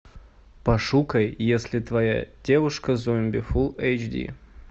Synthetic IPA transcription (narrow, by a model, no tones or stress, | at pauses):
pɐʂukɐjːesʲlʲɪt̪vɐja̰dʲevʊʂkəzomʲbʲɪfulˠejt͡ʃdʲḭ